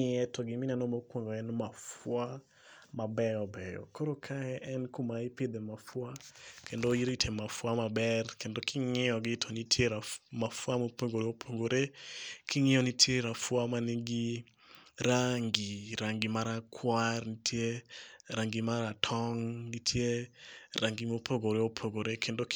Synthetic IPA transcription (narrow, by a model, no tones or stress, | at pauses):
ɪɛtɔɡɪmɪnanomokwoŋɡoɛnmafwa | mabɛjɔbɛjɔ̰koɾokʰaɛʔɛnkumaipɪd̪ɛmafwakʰendoiɾitʰemafwamabɛrkendokʰɪŋɪɔɡɪtʰɔnitʰjeɾamafwamopoŋɡoɾeopʰoŋɡoɾekɪŋɪɔnitʰjeɾafwamaniŋɡi | ɾaŋɡiɾaŋɡimaɾakʰwarnitʰjeɾaŋɡimaɾatʰɔŋnitʰjeɾaŋɡimopʰoɡoɾeopʰoɡoɾekʰendok